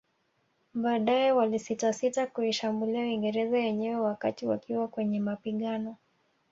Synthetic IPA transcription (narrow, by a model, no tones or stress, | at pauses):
ɓaːɗajɛwalisitasitakuiʃambuliawiŋɡɛɾɛzajɛɲɛwɛwakatiwa̰kiwakwɛɲɛmapiɠanɔ